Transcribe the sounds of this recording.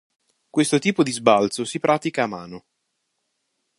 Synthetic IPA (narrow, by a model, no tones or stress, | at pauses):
kwest̪ot̪iːpod̪izbalt̪sosipɾʔaːt̪ikaːmaːno